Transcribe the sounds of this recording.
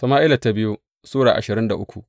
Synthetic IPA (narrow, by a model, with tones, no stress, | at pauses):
sɐ˨maː˦ʔɪ˦la˨ta˦bɪ˦ju˦ | suː˦ɽa̰ː˨ʔa˨ʃɪ˨ɾɪ˦nda˨ʔʊ˦kʷu˨ʔ